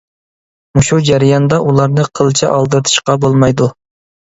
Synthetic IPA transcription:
muʃud͡ʒæɾijɑnd̪ɑʔulˠɑɾnɨqʰəlˠt͡ʃʰɛʔɑlˠd̪ɨɾt̪ʰɨ̥ʃqɑbolˠmɑjd̪u

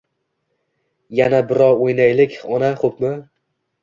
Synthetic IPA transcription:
janabɪɾɒɾojnajlɪkʲɒnaχopmɪ

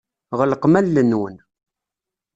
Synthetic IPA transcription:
ʁəlqmælːənːwən

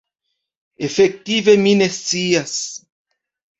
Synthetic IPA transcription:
efek̚t̪iveminesias

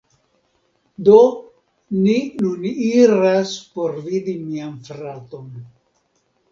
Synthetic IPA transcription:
do | ninuniɾaspo̞ɾvidimianfɾato̞n

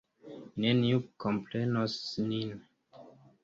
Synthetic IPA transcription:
neniukomplenosnin

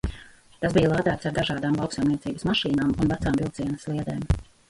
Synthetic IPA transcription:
t̪asbijəlˠaːd̪æːt̪saɾd̪aʒaːd̪aːmlˠɑwksajmniɛt̪iːbəsmaʃiːnaːmunvæt̪saːmvilˠt̪siɛnəslˠiɛd̪eːm

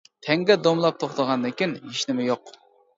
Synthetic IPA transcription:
t̪ʰɛŋɡʲɛd̪omlˠɑp̚t̪ʰoχt̪əʁɑnd̪ɪkʲineʃnɪmɪjoq

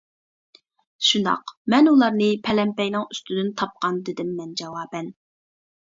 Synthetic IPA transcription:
ʃund̪ɑ̰qmɛnulˠɑɾnɨpʰɛlɛmpɛjnɪŋyst̪ʰyd̪ɪnt̪ʰɑp̚qɑnd̪ɪd̪ɪmːɛnd͡ʒɑwɑːbɛn

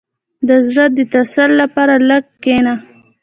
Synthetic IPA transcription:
d̪əzɽat̪̚d̪ət̪asallapɑɾaləɡ̚kena

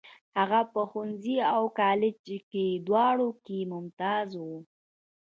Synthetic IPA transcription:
haɣapəxunziawkɑlɪd͡ʒked̪wɑɽokemʊmt̪ɑzwu

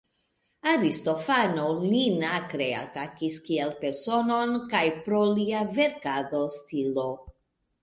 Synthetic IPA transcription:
aɾisto̞fanolinakɾea̰takiskielpe̞ɾso̞no̞nkajpɾoliave̞ɾkado̞stilo

